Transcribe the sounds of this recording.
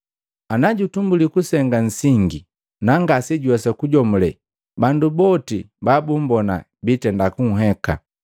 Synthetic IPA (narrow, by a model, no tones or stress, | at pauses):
anaɟutumbulikusɛŋɡan̩siŋɡi | naŋɡasiɟwɛsɛkuɟɔmulɛ | bandubɔti | babumbɔna̰ | bitɛndakuŋ̩ɦɛka̰